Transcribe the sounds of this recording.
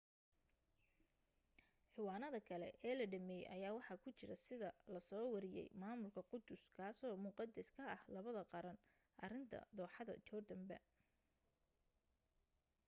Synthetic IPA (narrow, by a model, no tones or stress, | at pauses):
ħɪwɑːnɐðɐkʰɐlɛ̰ʔɛːlɐɖɐmɛːj̰ʔɐjaːwɑħɑkʰʊt͡ʃɪɾɐsɪðɐlɐsɔːwɑɾɪjɛ̰jmaːmʊlkʰɐqʊd̪ʊskʰaːsɔːmʊqɑd̪ɛskʰɐɐhlɐβɐðɐqɑɾɐn | ʔɐrɪnt̪ʰɐ̰d̪ɔːħɑðɐ̰t͡ʃɔːrd̪ɐmbɐ̰